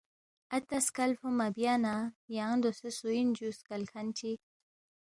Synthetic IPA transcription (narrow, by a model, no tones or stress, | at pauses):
at̪askalfumabjanajaŋd̪osesuind͡ʒuskalkʰant͡ʃi